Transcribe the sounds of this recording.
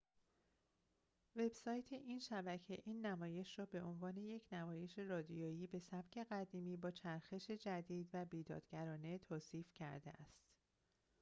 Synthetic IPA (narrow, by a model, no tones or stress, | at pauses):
ve̞b̥sɒːjt̪ʰe̞ʔiːnʃæbæcʰe̞ʔiːnːæmɒːje̞ʃrɒːbe̞ʔo̞nvɒːne̞je̞cʰnæmɒːje̞ʃe̞ɾɒːd̪ijɒːjiːbe̞sæb̥cʰe̞ɣæd̪iːmiːbɒːt͡ʃʰæɾxe̞ʃe̞d͡ʒæd̪iːd̪væbiːd̪ɒ̰ːd̪̥ɡæɾɒːne̞t̪ʰoːsiːfcʰæ̰ɾd̪ḛʔæ̰st̪